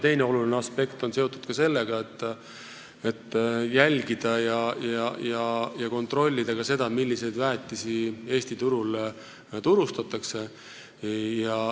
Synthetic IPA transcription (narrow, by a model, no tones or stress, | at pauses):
t̪e̞jne̞o̞lulineɑspe̞kt̪o̞nse̞ot̪ːˑud̪̥kɑse̞lːe̞ɡ̥ɑe̞t̪ːˑ | e̞t̪ːˑjælʲɡid̪̥ɑjɑjɑjɑjɑko̞nt̪ro̞lʲːid̪̥ɑkɑse̞d̪̥ɑmilʲːise̞jd̪væːt̪ːˑisie̞ːsʲt̪it̪uɾul | t̪uɾust̪ɑt̪ːˑɑkse̞ | jɑ